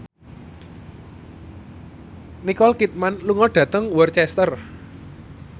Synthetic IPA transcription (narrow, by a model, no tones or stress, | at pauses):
nikɔlkit̪̚manluŋɔɖ̥ä̤t̪əŋwərt͡ʃɛst̪ər